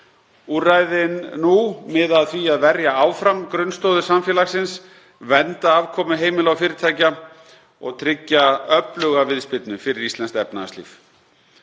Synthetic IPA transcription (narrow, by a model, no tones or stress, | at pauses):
uraːjðɪnːumɪðaðθviaðvɛɾjaaːwfɾamkɾʏnst̪owðʏsamfjɛːlaxsɪns | vɛnt̪aaːvkʰɔːmʏɦeːjmɪlawfɪːɾɪɾt̪ʰaːjca | ɔ̰ɣt̪ʰɾɪcːaœplʏɣavɪðspɪt̪nʏfɪɾɪɾist̪lɛnst̪ɛpnast̪lḭːf